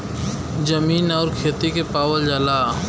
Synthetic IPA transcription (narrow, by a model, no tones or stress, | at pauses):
d͡ʒəmiːnɔːɾkʰeːt̪ikepaːwəld͡ʒaːlaː